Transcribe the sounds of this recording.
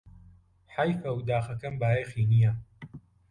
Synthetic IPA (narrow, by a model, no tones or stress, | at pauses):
ħajfɐwd̪aːxɐkɐmbaːjejxiːnija